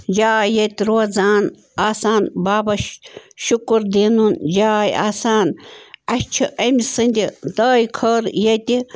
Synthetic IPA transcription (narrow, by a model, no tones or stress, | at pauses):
d͡ʒaːjːɐt̪iɾoːzaːn | aːsaːnbaːbɐʃukɾd̪eːnund͡ʒaːja̰ːsaːnɐt͡ʃʰiʔɐmisɨnʲd̪ʲid̪ɐːjkʰɐɾjɐt̪ʲi